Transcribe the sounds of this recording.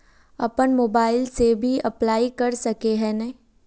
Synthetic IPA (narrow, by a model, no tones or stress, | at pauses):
ɐ̰pənmoːbaːɪlsebʱiɐplaːikɐɾsɐkeɦɛnɐɦi